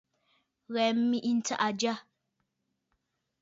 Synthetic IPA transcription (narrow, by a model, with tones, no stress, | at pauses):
ɣɛ˨m̩˦mi˦ʔi˦n̩˦ta̰˦ʔa˨d͡ʒa˦